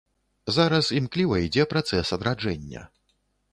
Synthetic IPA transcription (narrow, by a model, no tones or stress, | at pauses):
zaɾɐsimklʲivɐid͡zʲɛpɾat̪sɛsɐd̪ɾad͡ʐɛnʲːɐ̰